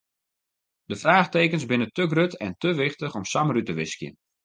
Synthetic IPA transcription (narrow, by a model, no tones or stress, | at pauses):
dəfraːχteːkənsbɪnətəɡrøtɛntəʋɪxtəxɔmsamrytəʋɪskjə̰n